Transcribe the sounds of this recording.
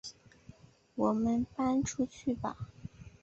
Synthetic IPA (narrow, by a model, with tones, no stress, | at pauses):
wɔ˨˩mə˧˥npa˥nʈ͡ʂʰu˥t͡ɕʰy˥˩ba̰˨˩